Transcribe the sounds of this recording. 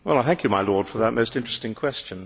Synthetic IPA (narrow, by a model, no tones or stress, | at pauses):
wɛlˠaɪθæ̃ŋkʰjɨmaɪlɔɹd̥fə˞ðət̚moʊstɪ̃nt͡ʃɹ̥ɨstɪ̃ŋkʰw̥ɛst͡ʃɨ̃n